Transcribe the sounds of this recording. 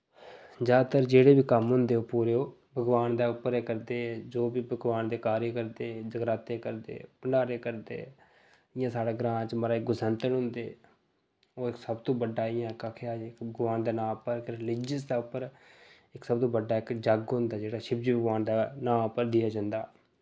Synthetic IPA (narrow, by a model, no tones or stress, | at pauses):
d͡ʒaːd̪t̪əɾd͡ʒeːɽeːbiːkəmɦʊ̃nd̪eːoːpuːɾeːoː | bʱəɡʋaːnd̪aːʊpːəɾeːkəɾd̪eːd͡ʒoːbiːbʱəɡʋaːnd̪eːkaːɾeːkəɾd̪eːd͡ʒəɡɾaːt̪eːkəɾd̪ḛːpəɳɖaːɾeːkəɾd̪ḛː | ɪjãːsaːɽaːɡɾãːt͡ʃməɾaːɪk̚ɡʊsənt̪əɳɦʊ̃nd̪eː | oːɪksəbt̪õːbəɖaːɪjãːkaːkʰeaːɪkbəɡʋaːnd̪aːnãːpəɾkɾɪlɪd͡ʒəsd̪aːʊpːəɾ | ɪksəb̚t̪õːbəɖaːɪkd͡ʒəɡɦʊ̃nd̪aːd͡ʒeːɽaːʃɪbd͡ʒiːbʱəɡʋaːnd̪aːnãːʊpːəɾd̪ɪjaːd͡ʒãːnd̪aː